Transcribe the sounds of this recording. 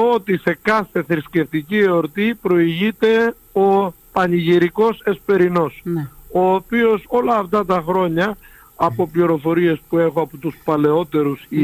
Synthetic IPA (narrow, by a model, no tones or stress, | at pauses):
ot̪ise̞kɐθe̞θɾisce̞ft̪icieoɾt̪ipɾo̞iʝit̪e̞ | o | pɐniʝiɾiko̞se̞spe̞ɾino̞so̞ːpio̞so̞lɐːft̪ɐt̪ɐxɾo̞ɲɐː | po̞pliɾo̞fo̞ɾie̞spue̞xo̞ɐpot̪uspɐle̞o̞t̪e̞ɾusi